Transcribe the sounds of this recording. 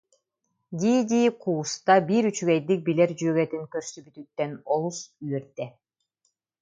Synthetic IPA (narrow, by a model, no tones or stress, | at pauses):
d̪ʲid̪ʲiqʰuːst̪ɑbiɾyt͡ʃyɡejd̪ik̚bileɾd͡ʒøɡet̪iŋkøɾsybyt̪yt̪ːenolˠusyjeɾt̪ːe